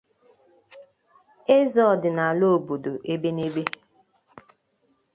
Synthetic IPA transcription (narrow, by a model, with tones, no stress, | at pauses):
e˦zɔ˦˨dɪ˨na˨a˨lo˦o˨bo˨do˨ʔe˦be˦ne˦be˦